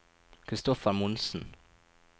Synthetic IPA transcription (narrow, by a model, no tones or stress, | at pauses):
kʰʁɪst̪ɔfəmʊnsn̩